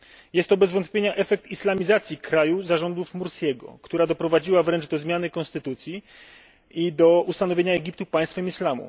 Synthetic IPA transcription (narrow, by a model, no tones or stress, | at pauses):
jɛst̪ːɔbɛzvɔnt̪pʲjeɲaʔɛfɛk̚t̪islamʲizat̪sʲjikɾajuzaʐɔnd̪ufmuɾsʲkʲɛɡɔ̰kt̪uɾad̪ɔpɾɔvad͡ʑiwavɾɛnʐd̪ɔzmʲjanɘkɔnst̪ɘt̪ut̪sʲji | id̪ɔust̪anɔvʲjeɲaɛɡʲip̚t̪upaj̃st̪fɛmislamṵ